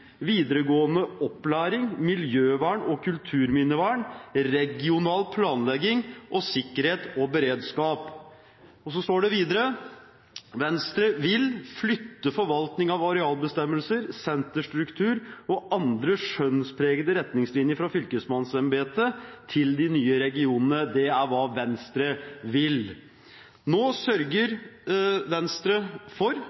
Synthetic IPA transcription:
ʋiːd̪əɾəɡoːənəɔpːlæːɾɪŋmɪljøːʋæːɳɔkʰʉlt̪ʰʉːɾmɪnəʋæɳɾɛɡɪʊnɑːlpʰlɑːnlɛɡɪŋʔɔsɪkːəɾheːt̪ɔbəɾeːd̪skɑːp | ɔsɔst̪oːɖɛʋiːd̪əɾə | ʋɛnst̪ɾəʋɪlflʏt̪ːəfɔɾʋɑlt̪nɪŋɑʋɑɾɛɑːlbəst̪ɛmːəlsəɾsɛnt̪əʂʈɾʉkt̪ʰʉːɾɔʔɑnd̪ɾəʂœnspʰɾeːɡəd̪əɾɛt̪nɪŋslɪnjəfɾɑfʏlkəsmɑnsɛmbeːt̪ʰət̪ʰɪld̪ɪnyːəɾɛɡɪuːnənəd̪ɛæɾʋɑːʋɛnst̪ɾəʋɪl | noːsœɾɡəɾ | ʋɛnst̪ɾəfɔɾ

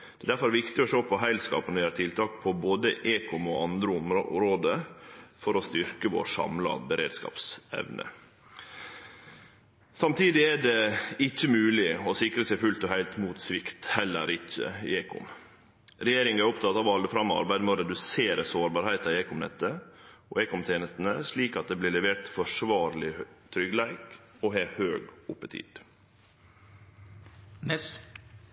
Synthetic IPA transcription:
d̪̥ɛd̪æɾfɔɾæɾʋɪkt̪ɪɔʂoːpʰɔɦæɪlskɑ̰ːpənəʋɪhɑɾt̪ʰɪlt̪ʰɑːkpʰɔboːd̪əʔeːkʰʊmɔɑnd̪ɾəʊmɾoːd̪əfɔɾɔst̪ʏɾkəʋo̰ːʂɑ̰mlɑ̰bəɾḛːd̪skɑ̰ːpsɛ̰ʋnə̰ | sɑmt̪ʰiːd̪ɪæɖɛɪt͡ʃːəmʉːlɪɔsɪkɾəsæɪfʉlt̪ɔhæɪlt̪muːt̪sʋɪkt̪hɛlːə̰ɾʔɪçːə̰eːkʊ̰m | ɾɛjeːɾɪŋæɾʊpt̪ʰɑt̪ːɑːʋɑld̪əfɾɑmːɑ̰ɾbæɪd̪məoɾɛd̪ʉseːɾəsoːɾbɑːɾhæɪt̪ɑeːkʊmnɛ̰t̪ːəɔ̰eːkʊmt̪ʰeːnəst̪ən̩əʂliːkɑt̪̚d̪eːblɪːɭɛʋeːɾt̪fɔʂʋɑːɾlɪt̪ʰɾʏɡlæɪk | ɔɦehøːɡʊpːət̪ʰḭːd̪̥

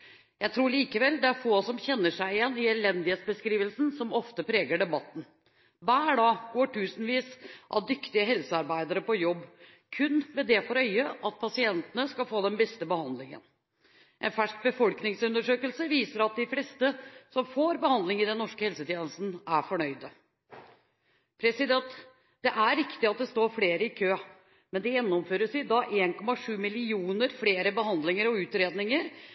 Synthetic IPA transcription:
jæɪt̪ʰɾuːɭiːkəʋɛld̪ɛæɾfoːsɔmçɛnːəʂæɪjɛnːɪɛlɛnd̪ɪheːt̪sbəskɾiːʋəlsn̩sɔmɔft̪əpʰɾeːɡəɖɛbɑt̪ːn̩ | bæːɖɑːɡ̥oːʈʰʉːsnʋiːsʔɑ̰d̪ʏkt̪ɪəɦɛlsəɑɾbæɪd̪əɾəpɔjɔbː | kʰʉnʋɛd̪ɛfɔɾœʏəʔɑt̪̚pʰɑsɪɛnt̪ənəskɑlfoːd̪ɛnbɛst̪əbəhɑnd̪lɪŋə̰n | ʔɛnfæʂk̚bəfɔlknɪŋsʉnd̪əʂøːkəlsəʋiːsəɾɑt̪̚d̪ɪflɛːst̪əsɔmfoːɾbəhɑnd̪lɪŋɪd̪ɛnːɔʂkəhɛlsət̪ʰjeːnəst̪n̩æɾfɔɳœʏd̪ə | pʰɾɛsɪd̪ɛnt̪ | d̪̥ɛʔæɾɪkt̪ɪɑt̪̚d̪ɛst̪oːɾfɽeːɾəɪkʰøː | mɛnd̪ɛjɛnːɔmføːɾəʂɪd̪ɑʔeːnkʰɔmɑʂʉːmɪlɪuːnəɾfɽeːɾəbəɦɑnd̪lɪŋəɾɔʉːt̪ɾeːd̪nɪŋəɾ

